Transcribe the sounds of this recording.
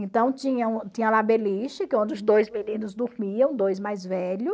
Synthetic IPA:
ẽnt̪ɐ̃w̃t͡ʃĩɲɐ̃t͡ʃĩɲɐ̃labeliʃɪkɪõnd͡ʒɪʊzd̪ojzminĩnʊzd̪uɾmiɐ̃w̃d̪ojzmajzvɛʎʊ

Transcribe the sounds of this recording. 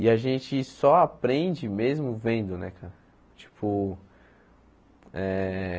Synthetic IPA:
ɪaʒẽnt͡ʃɪsɔapɾẽnd͡ʒɪmezmʊvẽnd̪ʊnɛkʰaɾɐ | t͡ʃi̥pʰʊ | ɛ

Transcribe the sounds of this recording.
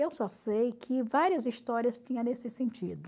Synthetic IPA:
ewsɔsejkʰɪvaɾiɐzist̪ɔɾiɐst͡ʃĩɲɐ̃nesɪsẽnt͡ʃid̪ʊ

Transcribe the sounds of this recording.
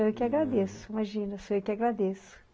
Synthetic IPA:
ewkɪaɡɾad̪esʊimaʒĩnɐsoewkɪaɡɾad̪esʊ̥

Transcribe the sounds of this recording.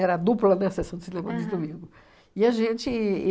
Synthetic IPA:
ɛɾɐad̪uplɐnɛsesɐ̃w̃d̪ɪsinẽmɐ̃d͡ʒɪzd̪umĩɡʊ | ɪɐʒẽt͡ʃɪ

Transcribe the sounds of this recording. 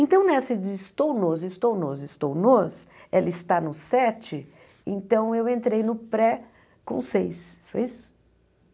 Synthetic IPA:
ẽt̪ɐ̃w̃nesɪd͡ʒɪst̪ownozɪst̪ownozɪst̪ownoselɪst̪anʊsɛt͡ʃɪ | ḛ̃nt̪ɐ̃w̃ewẽnt̪ɾejnʊpɾɛ | kõ̰sejsfo̰jisʊ̥

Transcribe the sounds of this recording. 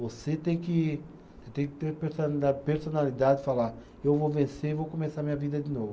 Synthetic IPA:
voset̪ẽj̃kɪ | t̪ẽkɪ̥t̪eɾpeɾsd̪apeɾsonalid̪ad̪ɪfala | ewvovẽseivokomesaɾɐmĩɲɐvid̪ɐd̪ɪnovʊ

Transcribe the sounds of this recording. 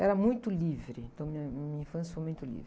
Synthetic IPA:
ɛɾɐmũj̃t̪ʊlivɾɪ̃nt̪ɐ̃w̃miɐmĩɲɐĩfɐ̃sjɐfojmũj̃t̪ʊlḭvɾɪ

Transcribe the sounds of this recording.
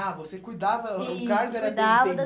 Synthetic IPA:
avosekujd̪avɐʊkaɾɡ̪ʊɛɾɐd̪avɐd̪ɐ

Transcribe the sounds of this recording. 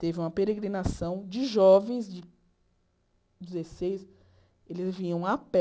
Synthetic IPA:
t̪evɪũmɐpeɾeɡɾinasɐ̃w̃d͡ʒɪʒɔvẽj̃zd͡ʒɪ | d͡ʒɪzesejs | elɪzvĩɲɐ̃w̃apɛ

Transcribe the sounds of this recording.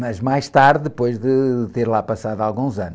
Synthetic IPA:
mɐʒmajʃt̪aɾðɨðɨpojʒðɨt̪eɾlˠapɐsaðwalˠɣũzɐn

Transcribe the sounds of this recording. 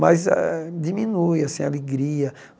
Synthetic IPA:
mazɛ̰d͡ʒimĩnujɐsẽj̃aleɡɾiɐ

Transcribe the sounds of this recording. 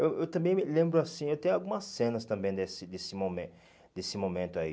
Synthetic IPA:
ewewt̪ɐ̃mbẽj̃mɪlẽmbɾʊasĩewt̪ẽjʊawɡũmɐsːẽnɐst̪ɐ̃mbẽj̃d̪esɪd̪esɪmomẽ | d̪esɪmõmẽnt̪ʊaḭ

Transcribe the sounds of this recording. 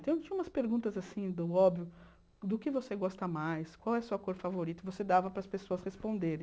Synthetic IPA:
t̪ɐ̃w̃t͡ʃĩɐũmɐspeɾɡũnt̪ɐzasĩd̪ʊɔbvijʊ | d̪ʊkɪvoseɡɔst̪ɐmajskwawɛsuɐkoɾfavoɾit̪ʊvosed̪avɐpɾɐspesoɐshespõnd̪eɾẽ

